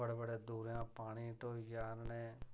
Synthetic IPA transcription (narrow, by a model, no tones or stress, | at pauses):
əɽeːbəɽeːd̪uːɾjãːpaːɽ̃ĩːʈoːjaːɾnẽː